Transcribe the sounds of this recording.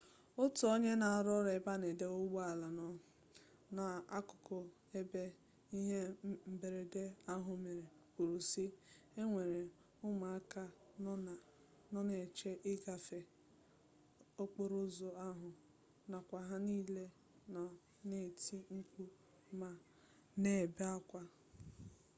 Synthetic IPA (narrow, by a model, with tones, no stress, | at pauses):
ʊ˦tʊ˨o˦ɲe˦na˨a˨ɾɔ˦ɾe˨ɪ˨˦ba˦ne˨de˦o˦wa˨la˨nɔ˨ | na˨a˦kʊ˨kʊ˨ | e˦be˦ | i˦ɦe˦m̩˦be˨ɾe˨de˦a˦ɦʊ˨me˨ɾe˨ | kʷu˨ɾu˨si˦ | e˦ŋʷe˨ɾe˨ | ʊ˦ma˨a˦ka˦˨ | nɔ˦ne˨t͡ʃe˦ʔɪ˦ɡa˨fe˨ | o˦k͡po˦ɾʊ˦zo˨a˦ɦʊ˨ | na˨kʷa˨ɦa˦niː˦le˦ | nɔ˨ | ne˨ti˦ŋ̩˦ku˦ | ma˨ | ne˨be˦a˦kʷa˦